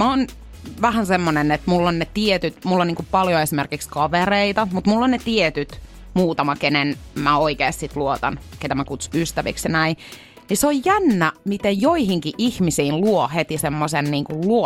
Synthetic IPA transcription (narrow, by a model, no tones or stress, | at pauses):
mæon | ʋæhænsemːonenet̪mulːonnet̪iet̪yt̪mulːoniːŋkuppɑljoesimerkikskɑʋereit̪ɑmut̪mulːonnet̪iet̪yt̪ | muːt̪ɑmɑkenenmæoikeːst̪sit̪luot̪ɑnket̪æmækut̪su̥yst̪æʋḭksjɑnæi | niseojjænːæmit̪ejjoihiŋkiʔihmisiːnluohet̪isemːosenniːŋkulluo